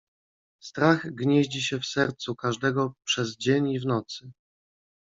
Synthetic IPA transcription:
st̪ɾaɣɡɲeʑd͡ʑiɕɛfsɛɾt̪sukaʐd̪ɛɡɔpʂɛzd͡ʑeɲivnɔt̪sɘ

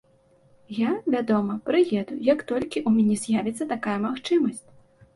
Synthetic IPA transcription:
javʲad̪ɔmɐpɾɨjɛd̪ujɐkt̪ɔlʲkʲiʔumʲanʲɛzʲjavʲɛt̪sːɐt̪akajɐmaxt͡ʂɨmɐsʲt͡sʲ

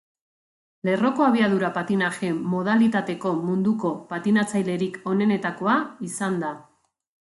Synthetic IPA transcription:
le̞ro̞ko̞aβiað̞uɾapat̪inaʝe̞mːo̞ð̞alit̪at̪e̞ko̞mund̪uko̞pat̪inat͡sajle̞ɾiko̞ne̞ne̞t̪ako̞aisand̪a

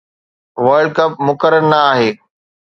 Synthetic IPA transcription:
ʋəɾɖ̚kɐp̚mʊkəɾəɾnɐaːɦeː

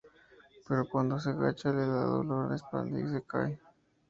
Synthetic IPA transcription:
peɾokwand̪os̬eɣat͡ʃaleðaðo̰loɾespand̪ḭs̬ekaj

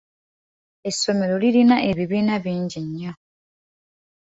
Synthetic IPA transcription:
e̞so̞me̞ɾo̞lilinaʔeβiβiːnaβiːɲɟiɲːa

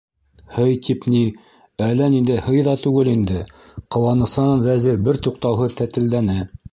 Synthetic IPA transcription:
hɤjt̪ʰipni | ælːænind̪ɘhɤjðɑt̪ʉɡɘlind̪ɘqɤ̆wɑnɤ̆sɑnɑnvæziɾbɘɾt̪uq̚t̪ɑwɦɤðθæt̪ɘ̆ld̪ænɘ

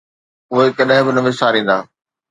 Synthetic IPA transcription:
ʊɦekɐɗɦɪ̃bɪnɐʋɪsaːɾĩːn̆d̪aː

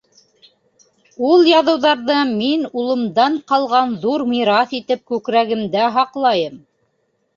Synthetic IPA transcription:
ulˠjɑðɤ̆wðɑɾðɤminulˠɤ̆md̪ɑɴqɑlˠʁɑnðuɾmiɾɑθit̪ɘp̚kʉkɾæɡɘ̆md̪æɦɑqlˠɑjɤm

